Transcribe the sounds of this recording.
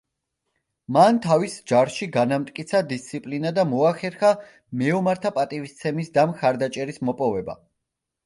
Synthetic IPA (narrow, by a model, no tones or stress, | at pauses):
mant̪ʰavisd͡ʒaɾʃiɡanamt̪ʼkʼit̪sʰad̪ist̪sʰipʼlinad̪amɔaχɛɾχa | mɛumaɾt̪ʰapʼat̪ʼivist̪sʰɛmisd̪amχaɾd̪at͡ʃʼɛɾismɔpʼɔvɛba̰